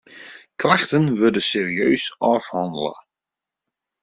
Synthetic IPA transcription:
klaxtənʋødəseːriøːsɔfhɔndələ̰

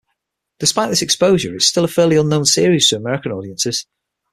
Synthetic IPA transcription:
d̥ɪspaɪʔðɪsɛkspoʊʒəɹɪtstɪlˠəfɛːliʌ̃nːõʊ̃nsɪəɹiz̥tʰəəmɛɹɪkə̃nɔːɾiə̃nsɪz̥

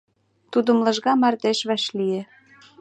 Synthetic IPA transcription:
t̪ud̪ə̆mlɤ̆ʒɣɑmɑrt̪eʃβæʃlijĕ

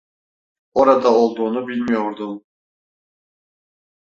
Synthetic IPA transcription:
oɾad̪ɑolˠd̪unubilʲmijoɾd̪ʊ

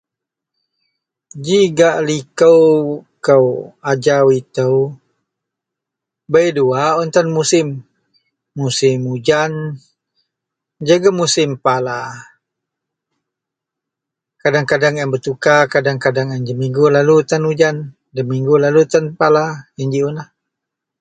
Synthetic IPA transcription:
d͡ʒiɡaʔlikəwkəwad͡ʒawit̪əw | bəjduaɔnt̪anmusɪmː | usɪmud͡ʒan | d͡ʒaɡamusɪmpala | kadaŋkadaŋanbət̪ukakadaŋkadaŋandəmiŋɡulalut̪anud͡ʒan | dəmiŋɡulalut̪anpalajand͡ʒiunah

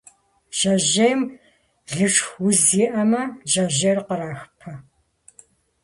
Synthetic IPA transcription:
ʒ̥ɐʒejm | ɮɨʂxwʊziːʔɐmɐʒɐʒɐrqəɾaːxpʰɐ

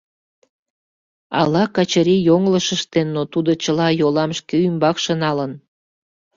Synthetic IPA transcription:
ɑ̰lɑkɑt͡ɕəɾijoŋləʃəʃt̪enːot̪ud̪ot͡ɕəlɑjolɑmʃkeymbɑkʃənɑlən

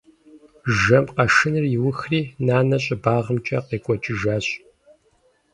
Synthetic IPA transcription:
ʒɐmqɐʂɨnɨrjɪwʊxriːnaːnɐɕʼɪbaːʁəmt͡ʃʼɐ̰qeːkʷʼɔt͡ʃʼɪʒaːɕ

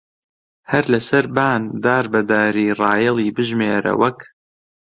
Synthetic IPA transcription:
hɐɾlɐsɐɾbaːnd̪aːɾbɐd̪aːɾiːrˤɑːjɛlˠiːbɨʒmeːɾɐ̰wɐk

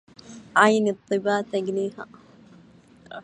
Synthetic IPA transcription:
ʕajnɨt̪ˤːɨbaːt̪aɡniːha̰

